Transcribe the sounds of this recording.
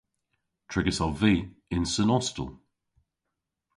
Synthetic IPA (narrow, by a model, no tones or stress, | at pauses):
tʰɹ̥ɪɡəsalviːɪ̃nsənɔstə̰lˠ